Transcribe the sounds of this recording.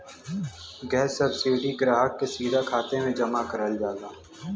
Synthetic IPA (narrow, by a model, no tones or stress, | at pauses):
ɡɛːsɐbsiːɖiɡɾaːɦək̚kesiːd̪ʱakʰaːt̪emẽd͡ʒɐmakəɾəld͡ʒaːɡaː